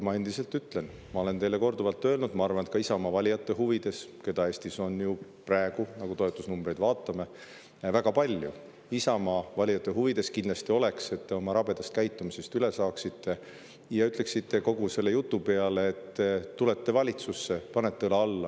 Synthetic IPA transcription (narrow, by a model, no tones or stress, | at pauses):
mɑe̞nd̪̥ise̞lt̪ːˑyt̪ːˑle̞n | mɑo̞le̞ne̞jle̞ko̞rd̪uvɑlt̪ːˑø̞ːlnud̪̥mɑɑrvɑnet̪kɑisɑmɑvɑlʲijɑt̪ːˑe̞ɦuvid̪̥e̞ske̞d̪ɑe̞ːsʲt̪iso̞njupræeɡ̥unɑɡut̪o̞et̪ːˑusnumbre̞jd̪̥vɑːt̪ˑːɑme̞ | væɡ̥ɑpɑlʲjṵ | isɑmɑvɑlʲijɑt̪ːˑe̞ɦuvid̪e̞skind̪lɑst̪io̞le̞kse̞t̪ːe̞o̞mɑɾɑb̥e̞d̪̥ɑst̪̚kæjt̪ːumise̞st̪yle̞sɑːksit̪ːe̞ | jɑyt̪ˑle̞ksit̪ːe̞ko̞ɡ̥use̞lːe̞jut̪ːˑupe̞ɑle̞ːt̪ːeːule̞t̪ːe̞vɑlʲit̪susːe̞pɑne̞t̪ːelɑɑlːɑ